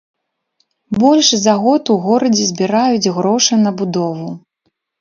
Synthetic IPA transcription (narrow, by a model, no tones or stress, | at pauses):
bɔlʲʂzaɣɔt̪uɣɔɾɐd͡zʲɛzʲbʲiɾajud͡zʲɣɾɔʂɐnɐbud̪ɔvu